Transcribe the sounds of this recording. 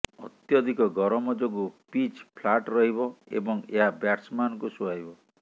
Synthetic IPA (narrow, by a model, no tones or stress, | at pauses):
ɔ̰t̪jɔd̪ʱikɔɡɔɾɔmɔd͡ʒoɡupit͡ʃpʰlaʈɾɔɦibɔḛbɔŋeɦabjaʈsmanɔkusuaibɔ